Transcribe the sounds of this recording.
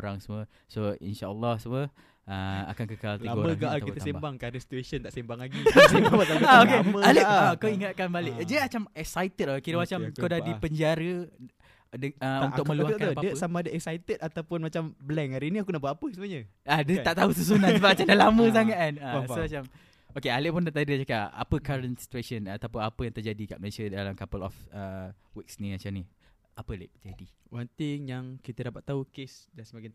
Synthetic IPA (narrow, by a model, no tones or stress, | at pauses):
ɾa̰ŋsəmə | soḭnʃaəlːɔhsəmə | ə̰a̰kankəkaltliaməɡaʔakitt̪əsembaŋkanəsi̥t̪uesənt̪aʔsembaŋlaɡiebabaaaokeəaləkawiŋat̪̚kanbalɪʔd͡ʒaimat͡ʃamɛk̚sajt̪ət̪̚lakiɾəmat͡ʃamkawdaipəɲd͡ʒaɾə | dəunʊkməluadəsamadəʔɛk̚sajt̪ət̪̚at̪awpʊnmat͡ʃambəlɛŋaɾiniakunaʔbuaʔapəsəmuaɲə | adət̪aʔt̪ausəs̬unaəbamat͡ʃandalamə̃s̬aŋat̪̚kanəsomat͡ʃam | okealeʔpʊndat̪adət͡ʃakaʔa̰pəkaɾənsi̥t̪uasənat̪apʊnapəjaŋt̪ərd͡ʒadika̰ʔməlesadalamkapəlɔ̰fəwiksnimat͡ʃani | ʔapəalḛʔd͡ʒadiwant̪ɪŋjaŋkit̪ədapat̪ːaukesdasəmaɡan